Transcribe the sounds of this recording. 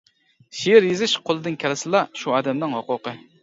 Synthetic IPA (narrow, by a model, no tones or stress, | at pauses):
ʃijɪɾjezɪʃqʰolˠɨd̪ɨnkʲʰɛlˠɪsɨlˠɑʃuɑːd̪ɛmnɪŋhoqʊqə